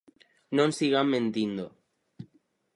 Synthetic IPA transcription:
nõnsiɣamːẽnt̪ind̪o

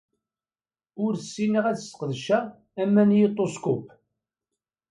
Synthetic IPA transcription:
ʊɾsːinəʁæθsqðʃæ | æmːænjit̪ˤːoskʊp

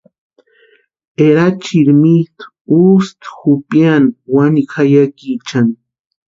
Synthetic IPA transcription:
eɾat͡ʃiɾmit̪ | ust̪xupjanwanikajakit͡ʃan

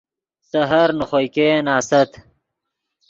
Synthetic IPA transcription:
sɐɦɐɾnuχojkeːnaːsɐt̪

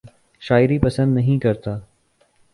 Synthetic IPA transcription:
ʃaːɪɾipɐsənd̪nɐɦĩkɐɾt̪aː

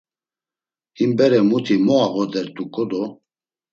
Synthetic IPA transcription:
himbɛɾɛmut̪ʰimɔaɣɔd̪ɛɾt̪ʼukʼɔd̪ɔ

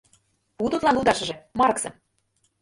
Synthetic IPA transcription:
put̪ut̪lɑnlud̪ɑʃɤ̆ʒĕmɑɾɤ̆ksɤ̆

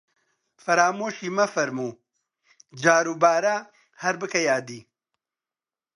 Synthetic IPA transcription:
fɐɾaːmoːʃiːmɐfɐɾmuː | d͡ʒaːɾuːbaːɾɐ | hɐɾbɨkɐjaːd̪iː

